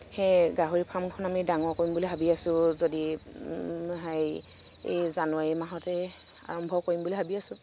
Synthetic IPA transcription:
hɛɡaɦoɹipʰamkʰɔnamidaŋɔkoɹimbulibʱabiasʊ̃zodi | ɦaj | ḛjzanʊaɹimaɦɔtɛ | a̰ɹɔmbʱɔkoɹimbʊlibʱabiasʊ̃

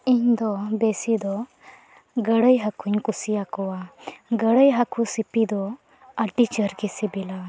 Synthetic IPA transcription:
iɲd̪ɔbɛsid̪ɔ | ɡəɽəjɦakʰuɲkusiakɔwaɡəɽəjɦakusipid̪ɔ | aʈit͡ʃəɾɡɛsibila

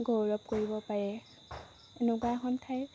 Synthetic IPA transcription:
ɡowɹɔp̚koɹibɔpaɹɛ | enʊk̬waxɔntʰaj

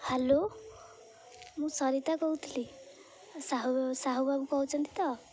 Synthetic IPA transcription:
helo | mũsʌɾit̪akɔɦut̪ʰili | saɦusaɦubabukɔɦut͡ʃʰʌnt̪i̥t̪ʌ

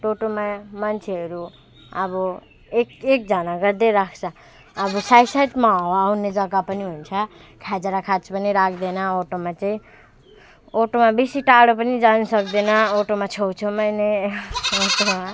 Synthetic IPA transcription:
ʈoʈomamant͡sʰeɦʌɾu | ʌbʌ | ekek̚d͡zʌnaɡʌɾd̪eɾakʰt͡sʰʌː | bʌsajsajʈmaɦowaːwnːed͡zʌɡapʌniɦunt͡sʰʌ | kʰad͡zeɾakʰat͡spʌniɾakʰd̪enʌoʈomat͡saĩ | oʈomabisiʈaɽopʌnid͡zanusʌkd̪enʌoʈomat͡sʰowt͡sʰumʌjneoʈoa

